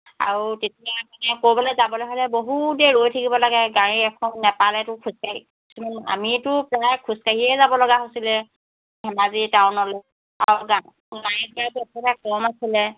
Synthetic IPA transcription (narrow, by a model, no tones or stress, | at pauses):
a̰ɹutetijamanɛkobɔlɔjzabɔlojɦojlɛboɦudɛɹojtʰakibɔlaɡɛɡãɹiɛkʰɔnːɛpalɛtʊkʰuskaj | isumana̰mitʊpɹajkʰuskaɦiɛzabɔlɔɡaɦosilɛ | ɦɛmazitawnɔlɛ | aɹɡa | ɡajɛkaituɛtɛtakɔmasilɛ